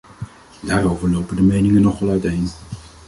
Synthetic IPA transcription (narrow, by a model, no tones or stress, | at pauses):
daːɾowvəɹlowpədəmejnɪŋənːɔχʋɛlˠœɥtejn